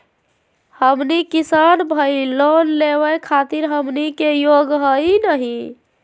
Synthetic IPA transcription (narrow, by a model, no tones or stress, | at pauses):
həmnikisanbʱəilonleβəjkʰat̪iɾɦəmnikejoɡɦəjinəɦi